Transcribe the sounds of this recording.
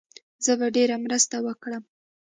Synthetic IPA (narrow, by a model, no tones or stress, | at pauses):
zəbaɖeɾamɾəst̪awəkɽəm